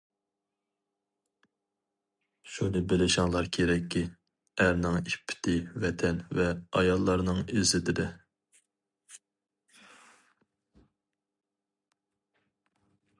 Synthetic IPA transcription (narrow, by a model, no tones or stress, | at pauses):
ʃunɨbɪlɪʃɑŋlˠɑɾkʲʰeɾɛkʲʰːi | æɾnɪŋipʰːɪ̥t̪ʰɪvɛt̪ʰɛnvɛɑjɑlˠːɑɾnɨŋezɪd̪ɪd̪ɪ